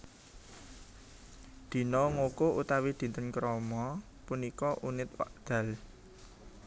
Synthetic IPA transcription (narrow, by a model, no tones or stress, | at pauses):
d̪̥i̤nɔŋokoʔut̪awid̪̥i̤nt̪ənkɾɔmɔ | punikɔʔunɪt̪̚wa̰ʔd̪̥ä̤l